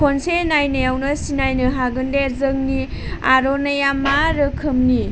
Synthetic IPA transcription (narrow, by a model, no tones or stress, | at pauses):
kʰonsenajnejawnɐsinajnɯɦaɡɯndezəŋni | aɾɔnajamaɾɯkʰɯmni